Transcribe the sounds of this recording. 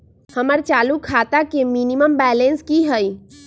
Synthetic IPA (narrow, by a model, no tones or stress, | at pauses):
həməɾt͡ʃalukʰat̪akeminiməmbɛlenskiɦəj